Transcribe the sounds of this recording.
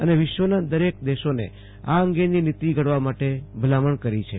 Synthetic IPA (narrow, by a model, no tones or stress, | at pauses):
əneʋɪʃʋənad̪əɾek̚d̪eʃonḛ | aəŋɡeninit̪iɡəɽʋamaʈebʱəlaməɳkəɾit͡ʃʰe